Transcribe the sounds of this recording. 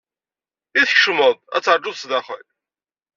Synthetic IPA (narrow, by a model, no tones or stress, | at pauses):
iθçʃməðˤæ̰t͡sːəɾˤd͡ʒʊðsðɑχə̰l